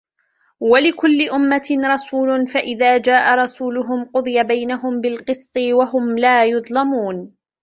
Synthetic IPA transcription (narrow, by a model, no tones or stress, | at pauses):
walɪkʊlːɪʔʊmːatɾˤɑsuːlʊnfaʔɪðaːd͡ʒaːʔaɾˤɑsuːlʊɦʊmqʊd̪ˤɨjabajnaɦʊmbɪlqɨsˤt̪ˤɨwaɦʊmlaːjʊðˤlamuːn